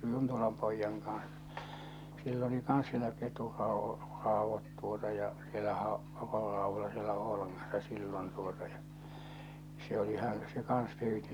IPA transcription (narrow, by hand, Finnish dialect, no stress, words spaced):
juntolɑm poijːɑŋ kɑ̃ːs silː oli kɑns sielæ keturːɑo rɑˑoʋːɑt tuotɑ jɑ sielːæhæ o keturːɑˑoʋːolɑ sielːæ oːlɑŋːɑsːɑ silːon tuotɑ jɑ se oli hæn̞ se kɑns pyːti